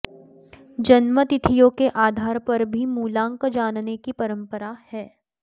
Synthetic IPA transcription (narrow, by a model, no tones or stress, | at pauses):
d͡ʒɐnmət̪ɪt̪ʰijõkeʔaːd̪ʱaːɾpɐɾbʱimuːlãːŋkd͡ʒaːnnekipɐɾə̃mpəɾahɛː